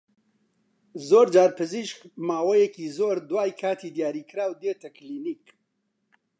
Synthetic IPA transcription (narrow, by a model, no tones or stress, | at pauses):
zoːɾd͡ʒaːɾpʰɨziːʃkmaːwɛjɛkiːzoːɾd̪waːjkʰaːt̪ʰiːd̪jaːɾiːkɨɾaːwd̪eːt̪ʰɛkliːniːk